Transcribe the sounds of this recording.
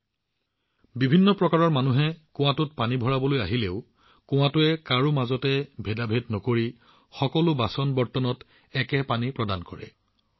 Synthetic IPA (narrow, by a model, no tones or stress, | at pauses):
bibʱinːɔpɹɔkaɹɔɹmanuɦɛkʊ̃w̃ãtʊt̚panibʱɔɹabɔlojaɦileʊ | kʊ̃w̃ãtʊɛkaɹumazɔtɛbʱedabʱetnɔkoɹi | xɔkɔlʊbasɔnbɔɹtɔnɔt | ɛkɛpanipɹɔdankɔɹɛ̰